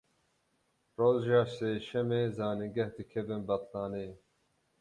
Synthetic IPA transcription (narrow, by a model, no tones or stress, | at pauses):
roːzʒɑːseːʃɛmeːzɑːnɨŋɡɛhd̪ɨkʰɛvɨnbɑt̪lɑːneː